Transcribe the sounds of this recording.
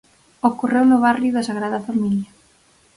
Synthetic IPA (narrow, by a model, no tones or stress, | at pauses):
okorewnʊβarjʊðɐsaɣɾaðɐfamilɐ